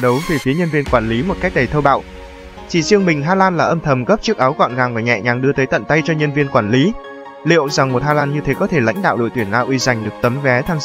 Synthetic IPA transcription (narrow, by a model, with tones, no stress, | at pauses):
ɗə˨˦wve˨˩fi˨˦ɲə˧nvi˧ənkwaː˧˩nli˨˦mo˨˩t̚ka˦˥jk̚ɗə˨˩jt̪ʰə˧wɓa̰ː˧˨w | t͡ɕi˧˩zɨ˧əŋmï˨˩ŋ̟ɦaː˧laː˧nlaː˨˩ʔə˧mt̪ʰə˨˩mɣə˦˥p̚t͡ɕɨ˦˥ək̚ʔaː˨˦wka̰˧˨nŋaː˨˩ŋvaː˨˩ɲɛ̰˧˨ɲaː˨˩ŋɗɨ˧ət̪əː˨˦jt̪ə̰˧˨nt̪a˧jt͡ɕɔ˧ɲə˧nvi˧ənkwaː˧˩nli˨˦ | lḭ˧˨əwza˨˩ŋmo˨˩t̚haː˧laː˧nɲɨ˧t̪ʰe˨˦kɔ˨˦t̪ʰe˧˩la̰˧˥jŋ̟ɗa̰ː˧˨wɗo̰˧˨jt̪wi˧˩ənʔaː˧wʔwi˧za˨˩jŋ̟ɗɨ˨˩ək̚t̪ə˨˦mvɛ˨˦t̪ʰaː˧n